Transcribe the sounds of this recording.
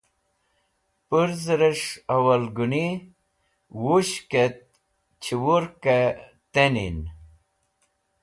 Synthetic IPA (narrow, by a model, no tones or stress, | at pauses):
puɾzɾəʂɐwɐlɡuni | wuɕket̪̚ | t͡ɕʰiwuɾke | t̪enḭn